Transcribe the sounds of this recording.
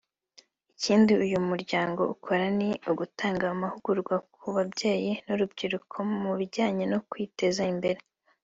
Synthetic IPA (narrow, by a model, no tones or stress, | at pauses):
iciːndiujumuɾɟaːŋɡo̞ukʰo̞ɾaniuɡutaːŋɡaːmahuɡ̥uɾɡwakʰuβabɟe̞ːjinuɾub̚ɟiɾukʰo̞muβiɾɟaːɲenokwiːte̞zaimbe̞ɾe